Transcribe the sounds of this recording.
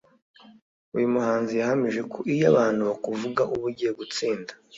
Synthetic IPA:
ujumuɦaːnzijahamiʒe̞kʰoʔijaβaːn̥huβakuvuɡaʔuβuɾɟijeɡut͡siːndḁ

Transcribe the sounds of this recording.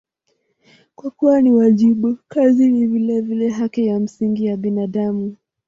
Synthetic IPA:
kwakuwaniwaʄiɓukazinivilɛvilɛɦakijam̩siŋɡijaɓinaɗamu

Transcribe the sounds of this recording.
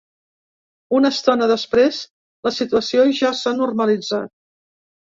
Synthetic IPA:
unəst̪ɔnəðəspɾesz | ləsit̪uəsioʒasanurməlid͡za̰t̪̚

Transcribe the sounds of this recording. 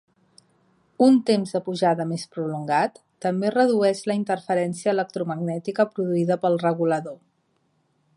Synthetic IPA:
unt̪emzðəpuʒaðəmespɾuluŋɡat̪ːəmberəðuɛʃləint̪ərfəɾɛnsiəːlək̚t̪ɾuməɡnɛt̪ikəpɾuðuiðəpəlˠrəɣuləðo

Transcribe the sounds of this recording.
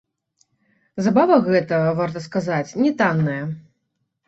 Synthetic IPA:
zabavɐɣɛt̪ɐvart̪̬ɐskazat͡sʲnʲɛt̪anːɐjɐ

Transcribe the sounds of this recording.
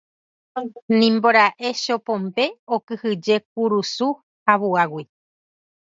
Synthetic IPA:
nĩmboɾaʔe̞ʃo̞põmbe̞okɨhɨd͡ʒe̞k̚uɾusu | haβuawi

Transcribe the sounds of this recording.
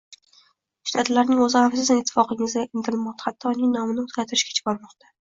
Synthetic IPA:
ʃt̪ʰat̪laɾnɪŋɵzɪhafsɪzɪnɪt̪ʰːɪ̥fɒqɪŋɪzaɪnt̪ʰɾɪlmɒqt̪ʰḁχat̪ʰːɒnɪŋnɒmɪnɪozɡʲaɾt̪ʰɪɾɪʃkʲḁt͡ʃʰɪ̥bɒɾmɒqt̪ʰḁ

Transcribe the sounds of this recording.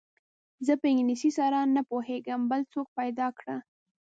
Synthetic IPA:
zəpəɪŋɡnisisɑɾɑnːapoheɡəmbəlt͡sok̚pajd̪ɑkɽa

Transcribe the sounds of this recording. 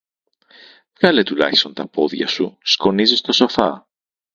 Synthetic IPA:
vɣɐle̞t̪ulɐ̰çist̪o̞nt̪ɐpo̞ðʝɐ̰susko̞nizist̪o̞so̞θɐ̰

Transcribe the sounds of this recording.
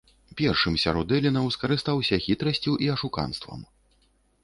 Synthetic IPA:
pʲɛrʂɨmsʲaɾɔd̪ɛlʲinɐwskɐɾɨst̪awsʲɐxʲit̪ɾɐsʲt͡sʲuʔiɐʂuka̰nst̪vɐ̰m

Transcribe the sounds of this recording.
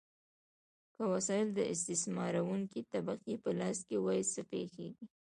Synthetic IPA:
kəwasɑjɪld̪əʔɪs̬t̪ɪsmɑɾawuŋkit̪abaqipəlɑst̪̚kewɑjsəpexeɡi

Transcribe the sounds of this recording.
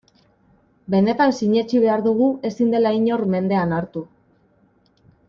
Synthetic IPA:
be̞ne̞t̪ansiɲe̞t͡ʃiβe̞aɾðuɣue̞sind̪e̞laiɲo̞ɾme̞nd̪e̞anaɾt̪u

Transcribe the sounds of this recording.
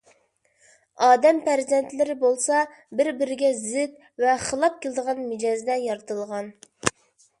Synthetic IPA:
ɑːd̪ɛmpʰæɾzɛnt̪lɪɾɪbolˠsɑ | bɪɾbɪɾɪɡʲɛzɪt̪ | vɛχəlˠɑp̚kʲʰelˠɪd̪əʁɑnmɪd͡ʒɑzd̪ɛjɑɾt̪ɨlˠʁɑn

